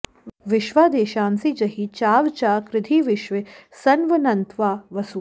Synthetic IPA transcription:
ʋɪʃʋaːd̪eːʃaːnsiːd͡ʒɐɦiːt͡ʃaːʋt͡ʃaːkɾɪd̪ʱiːʋɪʃʋesɐnʋɐnɐnt̪ʰʋaːʋɐsu

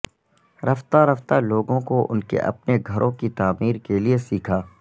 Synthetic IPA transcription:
ɾɐft̪aɾɐft̪aloːɡõkoʔʊ̰nkḛʔɐ̰pneɡʱɐɾʔõkit̪aːmiːɾkeliesiːkʰaː

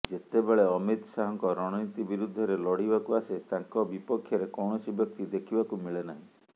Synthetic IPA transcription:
d͡ʒet̪ebeɭeɔmit̪saɦɔŋkɔɾɔɽ̃ɔjt̪ibiɾud̪ʱːɔɾelɔɽibakuaset̪ãŋkɔbipɔkʰːjɔɾekɔwɳ̃ɔsibjɔk̚t̪id̪ekʰibakumiɭenaɦĩ

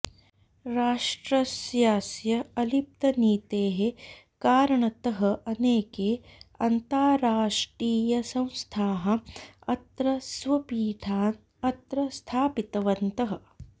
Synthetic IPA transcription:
ɾaːʂʈɾɐsjaːsjɐɐlip̚t̪ɐniːt̪eːɦe | kaːɾɐɳɐt̪ɐɦɐʔɐneːkeːɐnt̪aːɾaːʂʈɾiːjɐsɐ̃w̃st̪ʰaːɦɐ̆ɐt̪ɾɐsʋɐpiːʈʰaːn | ɐt̪ɾɐst̪ʰaːpit̪ɐʋɐnt̪ɐɦɐ̆

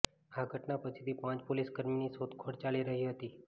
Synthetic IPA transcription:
haɡʱəʈnapət͡ɕʰit̪iːpãt͡ɕpoliskəɾminiːsot̪kʰoɽt͡ɕaliːɾəɦiːɦot̪iː

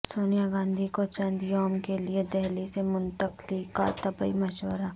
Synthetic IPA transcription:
soːnijaɡãːnd̪ʱikot͡ʃɐ̃nd̪joːmkelied̪ɛɦlisemʊnt̪əklikːa̰t̪ɐbəḭmɐʃwəɾaː

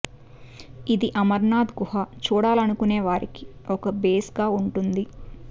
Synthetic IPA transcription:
id̪iʔɐmɐɾnaːd̪ɡuɦɐt͡ʃuːɽaːlɐnukuneːʋaːɾiki̥ɔkɐbeːsɡaːuɳʈund̪i

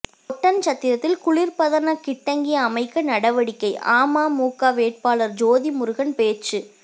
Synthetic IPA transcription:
ɔʈːɐnt͡ʃɐt̪ːɪɾɐt̪ːɪlkʊɭɪɾpɐðɐnɐkɪʈːɐŋɡɪjɐːmɐɪkːɐnɐɽɐʋɐɽɪkːɐɪaːmaːmuːkaːʋeːʈ̚paːlɐɾd͡ʒoːðimʊɾʊɣɐnpeːt͡ʃɯ

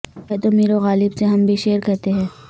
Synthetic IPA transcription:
ɛt̪omiːɾoɣaːlɪbseɦɐmbʱiʃeːɾkɛɦt̪eɦɛ̃ː

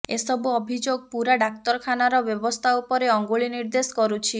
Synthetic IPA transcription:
esɔbuɔbʱid͡ʒoɡ̚puɾaɖak̚t̪ɔɾɔkʰanaɾɔbjɔbɔst̪ʰaupɔɾeɔŋɡuɭiniɾd̪eskɔɾut͡ʃʰi

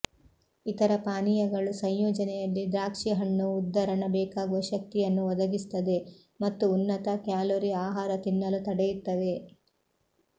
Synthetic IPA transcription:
it̪ɐɾɐpaːnijɐɡɐɭusɐɲjɔːd͡ʒɐnɛjɐlːid̪ɾaːkʂiɦɐɳːuːd̪ːɐɾɐɳɐbɛːkaːɡuʋɐʃɐk̚t̪ijɐnːuʋɔd̪ɐɡist̪ɐd̪e̞ | mɐt̪ːuːnːɐt̪ɐkjaːloɾiaːɦaːɾɐt̪inːɐlut̪ɐɽɛjut̪ːɐʋe̞

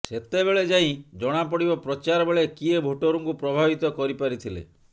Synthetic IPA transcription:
set̪ebeɭed͡ʒaĩd͡ʒɔɽ̃apɔɽibɔpɾɔt͡ʃaɾɔbeɭekiebʱoʈoɾuŋkupɾɔbʱabit̪ɔkɔɾipaɾit̪ʰilḛ

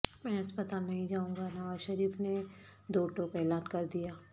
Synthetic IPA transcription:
mɛ̃ːɦɐspət̪aːlnɐɦĩd͡ʒaːũŋɡanɐʋaːzʃɐɾiːfne | d̪oːʈõːkɛːlaːnkɐɾd̪ijaː

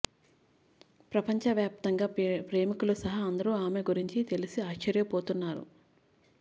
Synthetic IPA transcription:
pɾɐpɐɲt͡ʃɐʋjaːp̚t̪ɐŋɡaːpɾe̞ːmikulusɐɦɐɐnd̪ɐɾuaːme̞ɡuɾiɲt͡ʃit̪e̞lisiaːʃt͡ʃɐɾjɐpoːt̪unːaːɾṵ

